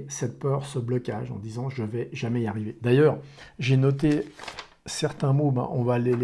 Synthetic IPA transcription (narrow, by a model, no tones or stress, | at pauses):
sɛt̪̚pœʁsəblɔkʲa̰ʒɑ̰̃d̪izɑ̃ʒəvɛʒamɛiaʁived̪ajœːʁʒenɔt̪e | sɛʁt̪ɛ̃mobã̰ʔɔ̃valel